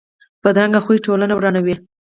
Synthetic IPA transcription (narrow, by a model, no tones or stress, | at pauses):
pəd̪ɾaŋɡaxuiʈolanawɾɑnawi